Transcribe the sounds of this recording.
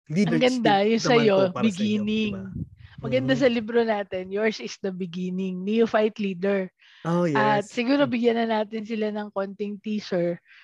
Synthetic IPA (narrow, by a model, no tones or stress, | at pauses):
ɐɡɐnd̪ajʊŋsɐjo̞bɪɡiːnɪŋmɐɡɐnd̪as̬ɐlɪbɾo̞naːt̪ɛnjoɹsɪsd̪ɐbɪɡiːnɪŋnijʊfajt̪liːd̪ɛɹ | jʔɐt̪̚sɪɡuːɾo̞bɪɡjɐnɐnaːt̪ɪnsɪlanɐŋko̞nt̪ɪŋt̪iːsɛɹ